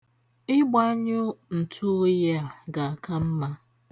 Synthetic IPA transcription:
ɪ˦ɡ͡ba˦ɲʊ˦n̩˨tʰu˦ja˦a˨ɡa˨a˨ka˦m̩˦ma˦

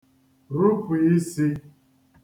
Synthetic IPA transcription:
ɾu˦fu˨i˦si˦

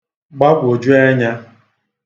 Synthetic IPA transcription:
ɡ͡ba˦bʊ˨o˨d͡ʒu˦e˦ɲa˦

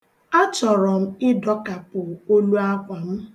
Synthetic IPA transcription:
a˦t͡ʃɔ˨ɾɔ˨m̩˦ɪ˦dɔ˦ka˨pʊ˨o˦lu˦a˦kʷa˨m̩˦

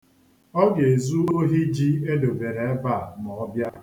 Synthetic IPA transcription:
ɔ˦ɡe˨zu˦o˦ɦi˦d͡ʒi˦e˦do˨be˨ɾe˨e˦ba˦˨mɔ˨ɔ˦bja˦

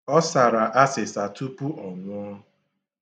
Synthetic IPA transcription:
ɔ˦sa˨ɾa˨ʔa˦sɪ˨sa˨tu˦pu˦ʔɔ˨ŋʷʊ˦ɔ˦

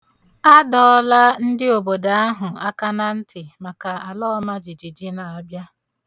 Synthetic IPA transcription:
a˦dɔ˦˨ɔ˦la˦n̩˦dɪ˦o˨bo˨da˨a˦ɦʊ˨a˦ka˦na˦n̩˦tɪ˨ma˨ka˨a˨lɔ˦ma˦d͡ʒi˨d͡ʒi˨d͡ʒɪ˦na˨ɔ˦bja˦

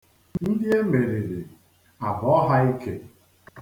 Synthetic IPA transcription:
nn̩˦dɪ˦e˦me˨ɾi˨ɾi˨ | a˨bɔ˨ɔ˦ɦa˦i˦ke˦

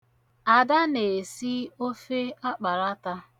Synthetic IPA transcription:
a˨da˦ne˨si˦o˦fe˦a˦k͡pa˨ɾa˦ta˦

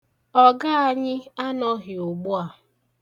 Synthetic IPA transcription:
ɔ˦ɡa˦a˦ɲɪ˦a˦nɔ˦ɦɪ˨ʊ˨ɡ͡bʊ˦a˨

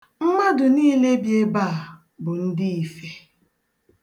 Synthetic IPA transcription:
m̩˦ma˦dʊ˨niː˦le˦bje˦ba˦a˨ | bʊ˨n̩˦dɪ˦i˨fe˦

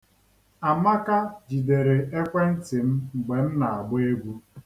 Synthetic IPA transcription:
a˨ma˦ka˦d͡ʒi˨de˨ɾe˨e˦kʷe˦n̩˦tɪ˨m̩˦˨ɡ͡be˨n̩˦na˨a˨ɡ͡be˦ɡʷu˦

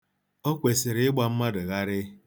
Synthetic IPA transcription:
o˦kʷe˨sɪ˨ɾɪ˦ɪ˦ɡ͡ba˨m̩˦ma˦dʊ˨ɣa˦ɾɪ˦

